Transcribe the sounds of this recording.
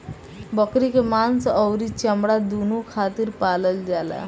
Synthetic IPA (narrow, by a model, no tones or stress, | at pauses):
bəkɾikemant͡səwɾit͡ɕəmɽad̪unukʰat̪iːɾpaləld͡ʑala̰